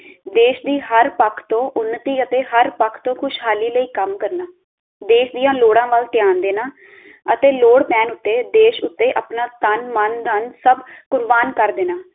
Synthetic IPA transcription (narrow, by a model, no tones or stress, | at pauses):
d̪eːʃd̪iːɦəɾpəkʰt̪õːʔʊnːət̪iːət̪eːɦəɾpəkʰt̪õːkʰʊʃɦaːliːləiːkəmkəɾnaː | d̪eːʃd̪ɪjãːloːɽãːʋəlt̪jaːnd̪eːnaː | ət̪eːloːɽpɛːnʊt̪ːeːd̪eːʃʊt̪ːeːʔəpnaːt̪ənmənənsəbkʊɾbaːnkəɾd̪eːnaː